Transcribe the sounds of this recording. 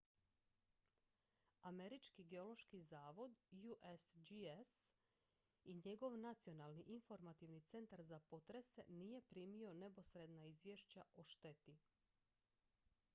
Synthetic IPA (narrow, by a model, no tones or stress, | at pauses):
ame̞ɾit͡ʃkiɡeo̞lo̞ʃkizaːʋo̞d̪juʔesd͡ʒies | iɲe̞ɡo̞ʋnat̪sio̞nalˠniʔinfo̞ɾmat̪iʋnit̪se̞nt̪aɾzapo̞t̪ɾe̞sḛniːje̞pɾiːmio̞ne̞po̞sɾed̪naizʋje̞ʃt͡ɕaʔo̞ʃt̪e̞t̪i